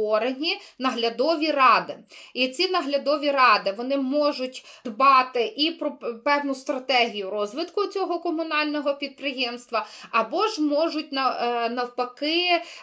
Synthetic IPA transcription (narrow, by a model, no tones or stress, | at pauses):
ɔɾenʲinɐɦlʲɐd̪ɔʋʲirɑd̪ɪit͡sʲinɐɦlʲɐd̪ɔʋʲiɾɑd̪ɪʋɔnɪmɔʒʊtʲd̪bɑt̪ɪʔipɾɔpɛwnʊst̪ɾɐt̪ɛɦʲijʊrɔzʋɪt̪kʊt͡sʲɔɦɔkɔmʊnɑlʲnɔɦɔpʲid̪̚pɾɪjemst̪ʋɐɐbɔʒmɔʒʊt̚ʲnɐnɐwpɐkɪ